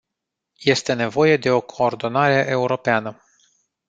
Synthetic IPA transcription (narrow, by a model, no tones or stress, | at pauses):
je̞st̪e̞ne̞vo̞je̞d̪e̞o̞kʰo̞ːrd̪o̞naɾe̞ʔe̞uɾo̞peanə